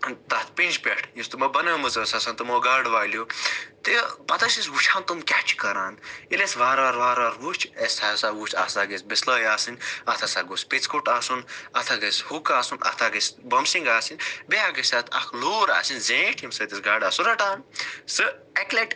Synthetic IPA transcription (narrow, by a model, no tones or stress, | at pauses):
t̪ɐt̪ʰpind͡ʒpʲeʈʰjĩst̪umɐbɐnɐːmɨzɐːsɐsɐnt̪ɨmoːɡaːɖʋaːljoːt̪epɐt̪ɐsisɡut͡ʃʰaːnt̪umkʲat͡ʃʰkɐɾaːnilesʋaːɾʋaːɾʋaːɾʋaːɾut͡ʃʰesʲt̪ʰaːsaɡuːt͡ʃʰa̰ːsaːɡesʲbislɐːjaːsɨnʲɐt̪ʰɐsaɡusʲpit͡skuʈaːsunɐt̪ʰaɡɐshukaːsunɐ̰t̪ʰaːɡɐsbɐmsiŋɡaːsinʲbeaːɡɐsʲɐːt̪ʰɐ̰kʰloːɾa̰ːsinzẽːʈʰjimsɐːt̪esɡaːɖaːsuɾɐʈaːnsɨekleʈ